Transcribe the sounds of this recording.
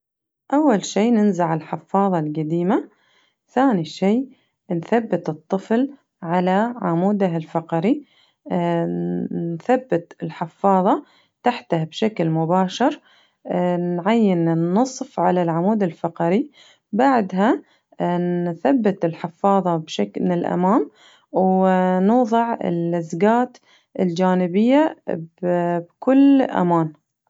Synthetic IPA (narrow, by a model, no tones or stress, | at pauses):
ʔawːalʃiːnɪnzaʕɪlħɪfːɑːðˤɑlɡad̪iːma | θaːniʃiː | nθabːɪt̪ɨt̪ˤːɨfl | ʕalaʕamuːd̪aɦɪlfɑqɑɾi | nθabːɪt̪ɪlħɪfːɑːðˤɑ | t̪aħt̪ahabʃaklmʊbaːʃɑɾ | nʕajːɪnnːɨsˤfʕalalʕamuːd̪ɪlfɑqɑɾi | baʕd̪ɦa | θabːɪt̪ɪlħɪfːɑːðˤɑbʃaknɪlʔa̰maːm | wnuːðˤɨʕɪ̰lɪzɡaːt̪ | ʔɪld͡ʒaːnɪbɪjːabbkʊlʔa̰maːn